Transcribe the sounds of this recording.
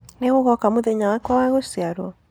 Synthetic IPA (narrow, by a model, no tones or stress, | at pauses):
neɣoɣɔkamoðɛɲawakwawaɣosiaɾwɔ